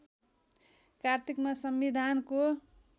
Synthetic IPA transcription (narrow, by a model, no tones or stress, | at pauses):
kart̪ʰikmasʌmbid̪ʱanko